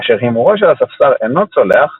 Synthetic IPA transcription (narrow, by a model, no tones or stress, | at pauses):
aʃeʁhimuʁoʃ̬elasafsaʁeno̞t͡soleaχ